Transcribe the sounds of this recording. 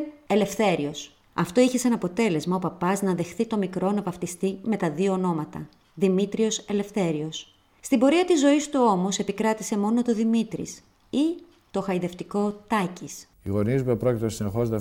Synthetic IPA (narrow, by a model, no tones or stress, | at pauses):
e̞le̞fθe̞ɾios | ɐft̪o̞içe̞senɐpo̞t̪e̞le̞zmɐopɐpɐznɐðe̞xθit̪o̞mikɾo̞nɐvɐft̪ist̪ime̞t̪ɐðioːno̞mɐt̪ɐ̰ | ðimit̪ɾio̞se̞le̞fθe̞ɾio̞s | st̪imbo̞ɾiɐt̪izːo̞ist̪uo̞mo̞se̞pikɾɐt̪ise̞mo̞no̞t̪o̞ðimit̪ɾḭs | i | t̪o̞xɐiðe̞ft̪iko̞t̪ɐcis | iɣo̞nizuumepɾo̞cit̪eosinexozðe